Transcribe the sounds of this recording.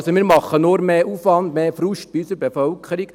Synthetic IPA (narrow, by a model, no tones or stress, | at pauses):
somiːɾmɑχənoːɾmeːʔuːfʋɑnd̪meːfɾuʃt̚b̥iysəɾbefœlkʰəɾik